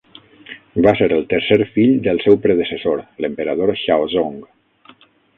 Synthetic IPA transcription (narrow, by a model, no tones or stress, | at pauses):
baseɾəlˠt̪əɾseɾfiʎd̪əlˠsɛwpɾəðəsəsoɾləmpəɾəð̞oɾʃawzoŋɡ